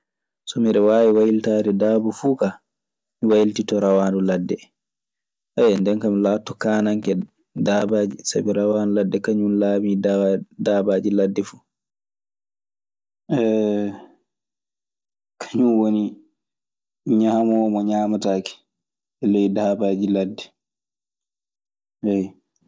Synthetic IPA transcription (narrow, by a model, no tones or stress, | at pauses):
sɔmiɗɛwaːwiwajiltadɛdaːbɔfuːka | miwajiltitɔɾawaːnduladːɛ | ʔajɛndɛnkamilaːtːɔkaːnaŋkɛ | dabad͡ʒisa̰biɾawanduladːɛkaɲunlaːmiddaːbaːd͡ʒiladːɛfu̥ː | ɛ | kʰḁɲunwoni | ɲamɔɔmɔɲaːmataːki̥ | ɛlɛjdabaːd͡ʒiladːɛ | ɛj